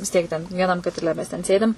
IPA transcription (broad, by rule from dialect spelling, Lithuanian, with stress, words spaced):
ʋʲɪs ˈtʲiɛk tʲɛn ʋʲiɛˈnɐm kɐtʲɪˈlʲɛ mʲɛs tʲɛn ˈsʲeːdʲɪm